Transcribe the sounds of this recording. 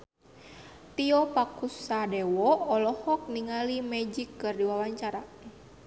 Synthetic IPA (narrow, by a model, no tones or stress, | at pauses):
t̪iɔpakusadɛwɔɔlɔhɔk̚niŋalimɛd͡ʒikːɨrdiwawaɲt͡ʃaɾa